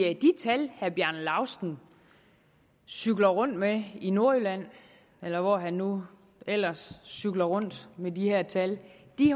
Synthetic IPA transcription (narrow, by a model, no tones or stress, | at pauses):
d̥it͡sʰælhæɐb̥jæɐnlɑ̈ʊsn̩ | syɡ̥lɐʁɔ̽n̰d̥meino̝ɐølæn̰ | elɐʋɒɦænːu | el̰ɐsːyɡ̥lɐʁɔ̽n̰d̥mediheɐ̰t͡sʰæld̥i